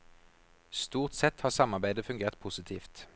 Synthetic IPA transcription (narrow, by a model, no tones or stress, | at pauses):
st̪uːʁt̪sɛt̪hɑːʁsɑmɑʁbæɪd̪əfʉŋɡeːʁt̪̚pʰʊsɪt̪ʰiːft̪